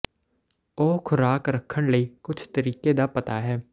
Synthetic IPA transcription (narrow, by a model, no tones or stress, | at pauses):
oːkʰʊɾaːkɾəkʰːəɳ̃ləiːkʊt͡ʃʰt̪əɾiːked̪aːpət̪aɦɛː